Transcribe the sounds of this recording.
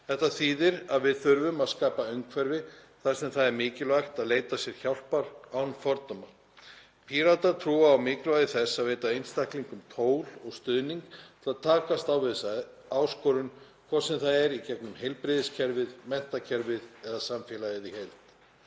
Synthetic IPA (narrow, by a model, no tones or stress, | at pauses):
θɛht̪aθiːðɪɾaðvɪðθʏɾvʏmaðskaːpaœŋkʰvɛɾvɪ | θaɾ̥sɛmθaðɛɾmɪːcɪlvajxt̪aðleːjt̪asjɛɾ̥çawl̥paɾaːwnfɔɾt̪ɔma | pʰiːɾat̪aɾt̪ʰɾuːaːwmɪːklvajðɪθɛsːaðveːjt̪aejnst̪ahkliŋkʏmt̪ʰoːwlɔɣst̪ʏðniŋkt̪ʰɪlaðt̪ʰaːkast̪awvɛsa | aːwskɔɾʏn | kʰvaːsɛmθaðɛɾicɛknʏmhejlpɾɪðɪscʰɛɾvɪðmɛn̥t̪acʰɛɾvɪðɛðasamfjɛlaɪðɪhejl̥t̪